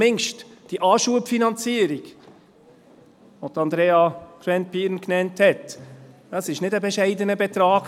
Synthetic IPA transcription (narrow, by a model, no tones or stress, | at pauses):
mɪŋʃtd̥iʔɑːʃuəpfinɑnt͡siəɾiɡ̥ | ʋod̪ɑnd̪ɾɛːɑkʰɾɛnt̪̚piːɾnknɛnthɛtd̥ɑsɪʃnɪdəbɛʃɛɪdənəbɛt̪ɾɑːɡ